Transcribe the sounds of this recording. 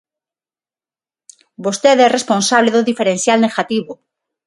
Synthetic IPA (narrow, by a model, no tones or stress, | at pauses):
bost̪eðɛrespõnsaβleðoðifeɾenθjalneɣat̪iβo